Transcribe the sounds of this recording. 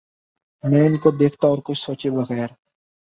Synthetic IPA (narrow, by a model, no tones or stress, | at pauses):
mɛ̃ːɪnkod̪eːkʰt̪aɔːɾkʊt͡ʃʰsoːt͡ʃebɐɣɛːɾ